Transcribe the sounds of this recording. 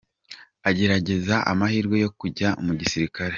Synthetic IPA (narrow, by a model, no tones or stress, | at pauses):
aɟe̞ɾaɟe̞zaʔa̰mahiːɾɡwe̞jo̞kuɟamuɟisiɾikaɾe